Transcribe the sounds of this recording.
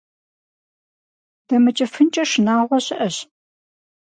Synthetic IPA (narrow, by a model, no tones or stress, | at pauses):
d̥ɐmɨt͡ʃʼɐfɨnt͡ʃʼɐʂnaːʁʷɔɕɪʔɐɕ